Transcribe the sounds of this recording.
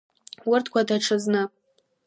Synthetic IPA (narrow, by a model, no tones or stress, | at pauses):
wʊrtʰkʷadaʈ͡ʂʰɨznɨ